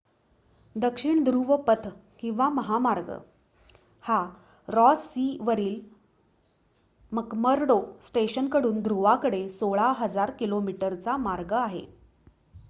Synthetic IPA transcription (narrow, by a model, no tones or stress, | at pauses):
d̪əkʂiɳd̪ɾuʋəpət̪ʰkĩw̃ʋaməɦamaɾɡə̰ | ha | ɾɔsːiʋəɾiːl | məkməɾɖosʈeɕənkəɽuːnd̪ʱɾuʋakəɽesoɭaɦəd͡zaɾkilomiʈəɾt͡samaɾɡəaɦḛ